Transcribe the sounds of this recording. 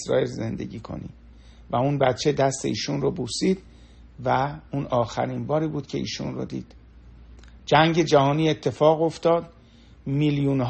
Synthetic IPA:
sɾɒ̰ːelze̞̰nd̪e̞̰ɡiːkʰo̰nḭː | væunbæt̪t͡ʃʰe̞d̪æst̪e̞̰iːʃunrobusiːd̪̥ | væunɒːxæ̰ɾinbɒːɾiːbuːd̪̥cʰe̞ʔḭːʃṵnro̰d̪ḭːd̪̥ | d͡ʒæŋɟe̞d͡ʒæhɒːniːe̞t̪ʰːe̞fɒːɣo̞ft̪ɒːd̪ | miljunɦ

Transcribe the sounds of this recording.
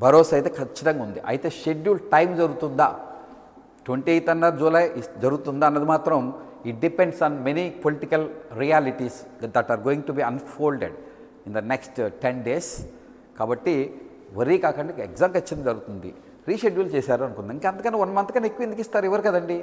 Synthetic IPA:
bɐɾoːsɐjt̪e̞ːkʰɐt͡ʃːɐt̪ɐŋɡaɐund̪iʔɐ̰jit̪eːʃeɖjuːlʈɐjmd͡ʒɐɾuɡut̪und̪a̰ː | ʈʋeɳʈiɐjt̪ɐnːɐɾd͡ʒuːlaːjd͡ʒɐɾuɡut̪und̪aɐnːɐd̪imaːt̪ɾɐm | iʈ̚ɖipeɳɖsaːnmenipoliʈikɐlɾiaːliʈis | d̪ɐʈaːɾɡoːĩŋʈubiːɐnfoːlɖḛɖ | ind̪ɐneksʈʈenɖeːs | kaːbɐʈːi | ʋɐɾiːkaːkɐɳɖieɡzaːmkɐt͡ʃːɐt̪ɐŋd͡ʒɐɾuɡut̪und̪ḭ | ɾiːʃeɖjuːlt͡ʃeːsaːɾuɐnukund̪ɐiŋkeɐnt̪ɐkɐneʋɐnːɐmɐnt̪kɐnekːuʋind̪ikist̪aːɾuɛʋɐɾikɐd̪ɐɳɖi

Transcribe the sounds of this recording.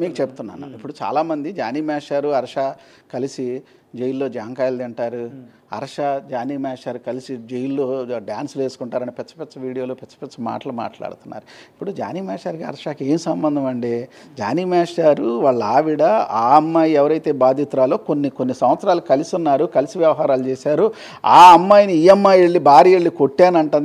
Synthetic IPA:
miːkut͡ʃebut̪unːa̰ːnɐ̰ipːuɽut͡ʃa̰ːlaːmɐnd̪id͡ʒaːniːmaːʂaːɾuɐɾɐʂaː | kɐlisi | d͡ʒejlːo̞ːd͡ʒaːŋkaːjld̪iɳʈaːɾu | ɐ̰ɾɐʂad͡ʒaːniːmaːʂaːɾukɐlisid͡ʒejilːo̞ːɖjaːnsle̞ːsu̥kuɳʈaːɾɐnipɛt͡ʃːɐ̥pɛtt͡ʃːɐʋiːɽijo̞ːloːpɛt͡ʃːɐ̥pɛt͡ʃːɐma̰ːʈɐluma̰ːʈla̰ːɽut̪unːa̰ːɾuipːuɽud͡ʒa̰ːniːmaːʂaːɾkiɐ̰ɾɐʂaːke̞ːmisɐmbɐnd̪ʱɐmɐɳɖeː | d͡ʒa̰ːniːmaːʂaːɾuʋaːɭːɐaːʋiɽɐaːɐmːajɛʋɐɾɐjt̪e̞ːbaːd̪ʱit̪ɾaːloːkonːikonːisɐmʋɐt̪sɾaːlukɐlisunːaːɾukɐlisiʋjɐʋɐɦaːɾaːlut͡ʃeːsaːɾu | a̰ːɐmːaːjniijɐmːaːjeɭːibʱaːɾieɭːiko̞ʈːaːnɐɳʈund̪

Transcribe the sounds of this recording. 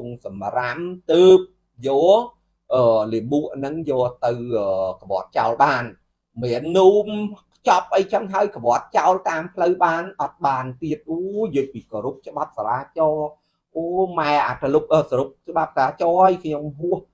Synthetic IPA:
uŋsɑmramt̪əːp̚ | jɔː | ʔəːliəɓuəʔnɨŋjɔːt̪ɨwʔəːkəʋoət̪̚t͡ɕaɔlɓaːn | mɛənːuːmkʰt͡ɕɑp̚ʔəjt͡ɕʰəŋɦaəjkəʋŏət̪̚t͡ɕaɔlt̪aːmpʰləwɓaːnʔɑt̪̚ɓaːnt̪iət̪̚ʔoːjəːjpiːkoːɾup̚t͡ɕə̆ɓɑt̪̚saɾaːt͡ɕɑː | ʔoːmaɛʔat̪ʰalup̚ʔəːsəɾup̚t͡ɕə̆ɓap̚saaːt͡ɕɑːʔəjkʰɲomɦʊəh

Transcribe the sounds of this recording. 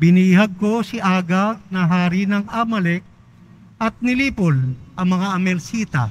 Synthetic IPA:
bɪniːɦɐɡ̚kosɪʔaːɡɐnɐɦaːɾɪnɐŋamɐlɛk̚ | ʔɐt̪̚nɪliːpolʔɐŋmɐŋaʔɐmɛlsiːt̪ɐ̰

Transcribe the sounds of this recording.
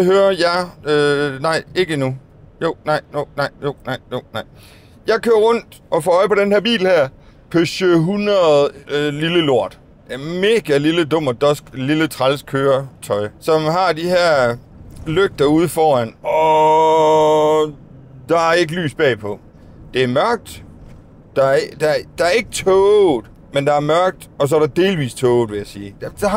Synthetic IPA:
ɦøːɐjɑɪønɑ̈ɪ̰e̝ɡ̥əinu | jo̝̰nɑ̈ɪ̰jo̝nɑ̈ɪ̰jo̝nɑ̈ɪjonɑɪ̰ | jɑ̈ɪkʰøːɐʁɔ̽n̰d̥ʔɒ̽fɒɒ̽ɪpʰɒ̽d̥enhæɐ̰b̥ḭːbl̩hæɐ̰ | pʰøsøɦunɐð̩ˠliləlo̝ɐ̰d̥ | me̝ːɡ̥æliləd̥ɔ̽m̰d̥ɒsɡ̥lilət͡sʰʁɑlskʰøːɐt͡sʰɒ̽ɪsɒ̽mɦɑ̈d̥iɦeɐ̰ | løɡ̥̚d̥ɐuð̞ˠfɒːænɒ | d̥ɑ̈æɐe̝ɡ̥əly̰ːsb̥ɛ̰ːpʰɒ̽ | d̥e̝æɐmɶɐɡ̥̚d̥ | d̥ɑ̈d̥ɑd̥ɑ̈æɐe̝ɡ̥ət͡sʰɔ̥ː | mend̥ɑ̈æɐmɶɐɡ̥̚d̥ɒ̽s̬ɒ̽æɐɾ̥ɑ̈d̥e̝ːlʋḭːst͡sʰɔːʊð̩ˠʋe̝jæsiːd̥d

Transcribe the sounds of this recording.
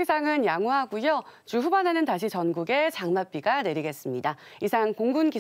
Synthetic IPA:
esʰaŋɯnjaŋuɦaɡujot͡ɕuɸubanɦanɯntaɕ̬ʰit͡ɕʌnɡuɡe̞t͡ɕaŋmap͈iɡane̞ɾiɡe̞s͈ɯmɲida | isʰaŋkoŋɡunɡi

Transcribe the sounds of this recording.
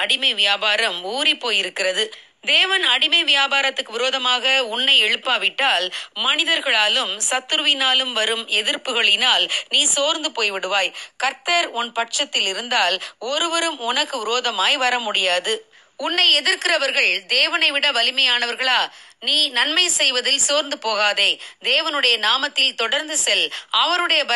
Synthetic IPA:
ɐɽɪmɐɪʋɪjaːbaːɾɐmuːɾipːoːjɪɾɯkːɪɾrɐðɯ | d̪eːʋɐnɐɽɪmɐʋɪjaːbaːɾɐt̪ːɯkːɯʋɪɾoːðɐmaːɣɐʊɳːɐɪɛɻɯpːaːʋɪʈːaːlmɐnɪðɐɾɣɐɭaːlɯmsɐt̪ːɯɾɯʋɪnaːlɯmʋɐɾɯmɛðɪɾpɯɣɐɭɪnaːlniːsoːɾnd̪ɯpoːjʋɪɽɯʋaːjkɐɾt̪ɐɾɔnpɐʈt͡ʃɐt̪ːɪlɪɾɯnd̪aːlɔɾɯʋɐɾɯmʊnɐkːɯʋɪɾoːðɐmaːjʋɐɾɐmʊɽɪjaːðɯ | ʊnːɐɪɛðɪɾkɪrɐʋɐɾɣɐɭd̪eːʋɐnɐɪʋɪɽɐʋɐlɪmɐjaːnɐʋɐɾɣɐɭaːniːnɐnmɐɪsɛjʋɐðɪlsoːɾnd̪ɯpoːɣaːðɐɪd̪eːʋɐnɯɽɐjɐnaːmɐt̪ːɪlt̪ɔɽɐɾnd̪ɯsɛlɐʋɐɾɯɽɐjɐbɐ

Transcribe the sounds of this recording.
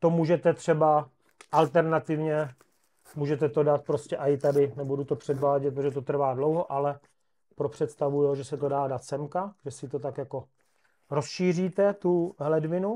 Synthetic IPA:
t̪o̞muːʒɛt̪ɛt̪r̝̥ɛba | ʔalt̪ɛɾnat̪ɪvɲɛ | muːʒɛt̪ɛt̪o̞dat̪̚pɾoscɛʔajɪt̪adɪnɛbudut̪opr̝̥ɛdvaːɟɛt̪̚pɾot̪oʒɛt̪ot̪r̩vaːdlowɦoʔalɛ | pɾopr̝̥ɛt̪st̪avujoʒɛsɛt̪o̞daːdat̪sɛmkaʒ̥ɛsɪt̪ot̪akjako̞ | ɾo̞sʃiːriːt̪ɛt̪uɦlɛdvɪnu

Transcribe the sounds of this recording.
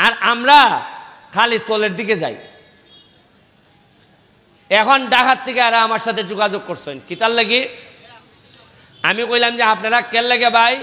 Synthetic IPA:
aɾamɾa | kʰalit̪oleɾd̪ʱiked͡ʑa̰j | ɛkʰonɖakʰat̪ʰːekeaɾaamaɾʃat̪ʰed͡ʑoɡad͡ʑoɡ̚koɾt͡ɕʰonkit̪alːeki | amikojlamd͡ʑeapnaɾakelːekebaj

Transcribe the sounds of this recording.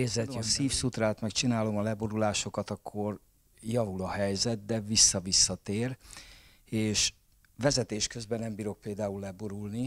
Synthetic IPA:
ezɛt̪josiːfsut̪raːt̪mɛkt͡ʃinaːlo̞mɒlɛboɾulaːʃo̞kɒt̪ɒkʰːo̞r | jɒvulɒhɛjzɛt̪̚d̪ɛvisːɒvisːɒt̪eːr | eːʃ | ʋɛzɛt̪eːʃkø̞zbɛnːɛmbiːɾo̞k̚peːld̪aːulːɛboɾulni

